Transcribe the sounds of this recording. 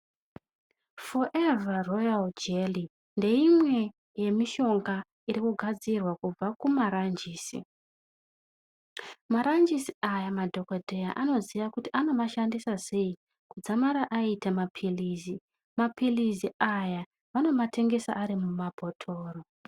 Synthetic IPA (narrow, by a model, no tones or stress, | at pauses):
foʔevarojald͡ʒeli | nde̞imwe̞ | je̞miʃo̞ŋɡa | iɾikuɡʱad͡zirwakub͡vakumaɾand͡ʒiːsḭ | maɾand͡ʒisiajamadʱo̞kodʱejaʔano̞ziʋakutiʔano̞maʃandisase̞i | kud͡zamaɾaʔaitamapʰiliːzi | mapʰiliziʔaja | ʋano̞mate̞ŋɡe̞sa̰ʔːɾimumabʱo̞tʰo̞ːro